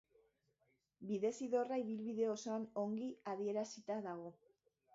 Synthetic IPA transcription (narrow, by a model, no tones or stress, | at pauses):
biðe̞siðo̞raiβ̞ilβiðe̞oso̞ano̞ŋɡiaðie̞ɾasit̪aðaɣ̞o̞